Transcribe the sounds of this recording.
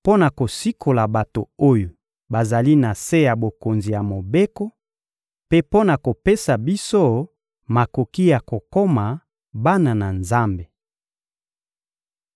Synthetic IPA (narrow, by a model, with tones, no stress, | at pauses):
po˦na˨ko˨si˦kʰo˨la˨ba˨to˨o˦jo˨ | ba˨za˨li˦na˨se˦ja˨bo˨ko˨nzi˨ja˨mo˨be˦ko˦ | pe˦po˦na˨ko˨pe˦sa˨bi˦so˦ | ma˨ko˨ki˦ja˨ko˨ko˦ma˨ | ba˦na˨na˨nza˦mbe˨